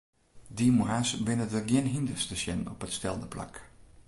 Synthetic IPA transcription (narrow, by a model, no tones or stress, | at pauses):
dimuɦasʋɪnədəɡjɪnɦindərstəsjɛnɔ̰pətstɛlˠdəpla̰k